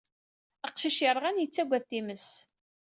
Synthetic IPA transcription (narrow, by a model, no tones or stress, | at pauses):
əqʃiʃjəɾˤʁænjət͡sːæɡʷæθːiməs